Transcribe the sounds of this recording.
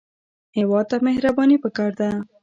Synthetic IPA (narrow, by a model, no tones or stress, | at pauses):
hɪwɑd̪̚t̪amehɾabɑnipəkɑɾd̪a